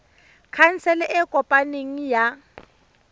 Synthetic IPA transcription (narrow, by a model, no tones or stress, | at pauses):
kʰan̩t͡sɛlɛʔɛkʼɔpʼaneŋ̩ja